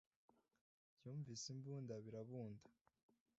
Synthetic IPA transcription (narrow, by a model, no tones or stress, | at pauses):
bjuːɱvisimbuːndaβiɾaβuːndḁ